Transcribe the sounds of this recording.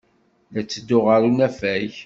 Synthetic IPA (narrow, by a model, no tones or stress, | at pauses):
læt͡sːəd̪ːʊʁəɾunæfæç